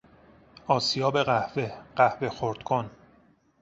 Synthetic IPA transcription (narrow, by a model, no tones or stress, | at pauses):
ɒːsijɒːbe̞ɣæhveɢ̥æhve̞xoɾd̪̥kʰon